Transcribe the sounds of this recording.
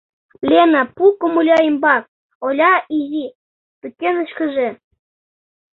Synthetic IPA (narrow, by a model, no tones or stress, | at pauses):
plʲenɑpukomulʲɑjimbɑk̚ | olʲɑizi | t̪əkːenə̆ʃkə̆ʒĕ